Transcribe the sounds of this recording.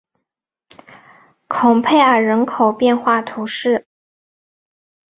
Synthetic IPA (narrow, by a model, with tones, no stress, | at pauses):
kʰʊ˨˩ŋpʰe˥˩ɪə˞˨˩ɻə˧˥nkʰo˨˩ʊpjɛ˥˧nxwa˥˩t̪ʰu˧˥ʂɻ̩˥˩